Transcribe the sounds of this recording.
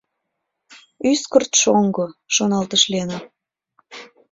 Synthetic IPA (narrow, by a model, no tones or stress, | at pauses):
yskərt̪ʃoŋɡoʃonɑlt̪əʃlenə